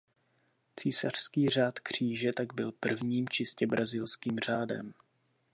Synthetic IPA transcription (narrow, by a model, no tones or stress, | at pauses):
t͡siːsar̥skiːr̝aːt̪kr̥iːʒɛt̪aɡbɪlpr̩vɲiːmt͡ʃɪscɛbɾazɪlskiːmr̝aːdɛ̰m